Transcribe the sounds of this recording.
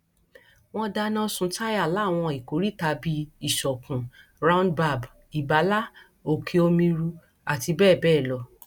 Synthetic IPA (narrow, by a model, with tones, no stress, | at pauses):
w̃ɔ̃˧da˧nã˦sũ˧˦ta˦ja˦˨la˨˦˨w̃ɔ̃˧i˨ko˨˦ɾi˦ta˧bi˧i˨ʃɔ˨kũ˨ | ɾã˦ũ˦ndba˧˨b | i˨ba˨˦la˦ | o˨kʰe˧o˧mĩ˧ɾu˧ | a˨ti˧bɛː˦˨bɛː˦˨lɔ˧